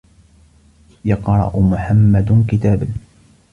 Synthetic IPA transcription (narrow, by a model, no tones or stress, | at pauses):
jɑqɾˤɑ̰ʔʊmʊħamːad̪kɪt̪aːba